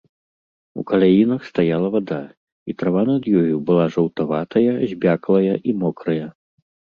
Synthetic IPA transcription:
ṵkɐlʲajinɐxst̪ajalˠɐvad̪a | it̪ɾavanɐd̪jɔjubɨlˠaʐɐwt̪avat̪ɐjɐzʲbʲaklˠɐjɐʔimɔkɾɐjɐ

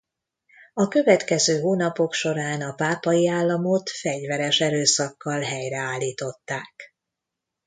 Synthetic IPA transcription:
ɒkø̞vɛt̪kɛzøːɦoːnɒpo̞kʃo̞ɾaːnɒpaːpɒjiaːlːɒmo̞t̪fɛɟvɛɾɛʃɛɾøːsɒkːɒlɦɛjɾɛaːlːiːt̪o̞t̪ːaːk̚

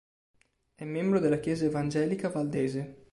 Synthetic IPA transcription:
ɛmːembɾod̪elːakjɛːzaevand͡ʒɛːlikavald̪eːze

